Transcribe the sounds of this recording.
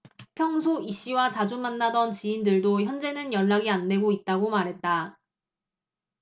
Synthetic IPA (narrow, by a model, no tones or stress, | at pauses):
pʰjʌŋsʰoiɕ͈iwat͡ɕad͡ʑumanːadʌnt͡ɕiːndɯɭdoçjʌnd͡ʑe̞nɯnjʌɭːaɡiande̞ɡoit̚t͈aɡomaɾɦe̞t̚t͈a